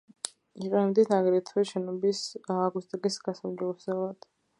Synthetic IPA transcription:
iqʼɛnɛbd̪isnaɡɾit̪ʰviʃɛnɔbisaːɡwust̪ʼɡisɡasamd͡ʒɛlzɛlˠad̪̥

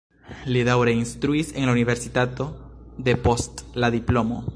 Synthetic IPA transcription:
liðawɾeinst̪ɾuise̞ŋlauniβe̞ɾsit̪at̪o̞d̪e̞po̞st̪laðiplo̞mo̰

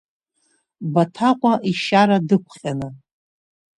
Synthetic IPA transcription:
batʰaqʷʼaʔiʃaɾadɨkʷʰχʲʼanɨ

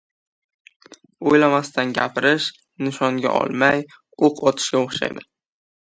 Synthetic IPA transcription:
ojlamast̪anɡʲapʰɪɾɪʃ | nɪʃɒŋɡʲa̰ʔɒ̰lˠmaj | oqʰɒt̪ʰɪ̥ʃɡʲaoχʃa̰jd̪ɪ

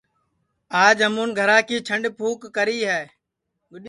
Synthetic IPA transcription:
aːd͡ʒɦəmuːnɡʱəɾaːkiːt͡ʃʰəɳɖpʰuːkːəɾiːɦɛː

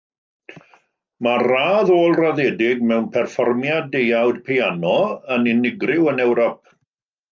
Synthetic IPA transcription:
maraːðoːlˠraðɛːdɪɡ̚mɛwnpʰɛrfɔrmjadejawdpʰeanɔənɪnɪɡrɪwənɛwɾɔp̚

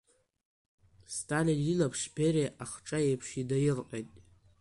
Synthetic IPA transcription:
stʰʼalinilapʰʂbʲereʔaχʈ͡ʂʼaejpʰʂidajɪrqʼejtʼ

